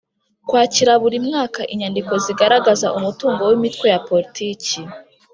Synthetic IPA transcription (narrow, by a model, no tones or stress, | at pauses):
kwaːciɾaβuɾimŋaːkaʔiɲandiko̞ziɡaɾaɡaza̰ʔumutuːŋɡo̞wimitwe̞japo̞ɾitʰiːci